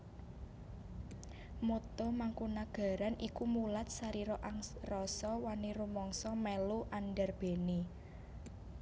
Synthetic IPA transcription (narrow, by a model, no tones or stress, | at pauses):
mot̪omaŋkunaɡ̥ä̤ɾanikumulat̪̚saɾiɾɔʔaŋrɔsɔwaniɾumɔŋsɔmɛluʔanɖɛrb̥e̤ni